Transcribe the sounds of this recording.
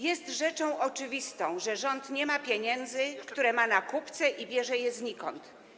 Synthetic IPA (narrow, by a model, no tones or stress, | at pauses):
jɛst̪ʐɛt͡ʂɔ̃w̃ʔɔt͡ʂɘvʲist̪ɔ̃w̃ʐɛʐɔnt̪ɲɛmapʲjeɲɛnd̪zɘkt̪uɾɛmanakupt̪sɛʔibʲjɛʐɛjɛzɲikɔnt̪